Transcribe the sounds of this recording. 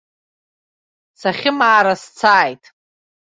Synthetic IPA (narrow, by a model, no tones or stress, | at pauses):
saχʲɪmaːɾast͡sʰaːjtʼ